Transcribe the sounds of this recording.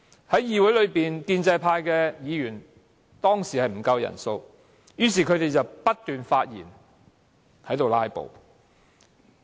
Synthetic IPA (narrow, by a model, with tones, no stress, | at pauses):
hɐ˨˥jjiː˨wu˨˥jlɵ˨˧ɥpiː˨nkiː˧nt͡sɐ˧jpʰaː˧jkɛː˧jiː˨˧jyː˨˩n | t̪ɔː˥ŋsiː˨˩hɐ˨jm̩˨˩kɐ˧wjɐ̰˨˩nso˧w | jyː˨˧˥s̬iː˨˩kʰɵ˨˧ɥt̪e˨jt͡sɐ˨wpɐ˥t̚t̪yː˨nfaː˧t̚jḭː˨˩n | hɐ˨˥jt̪o˨wlaː˥jpo̰˨w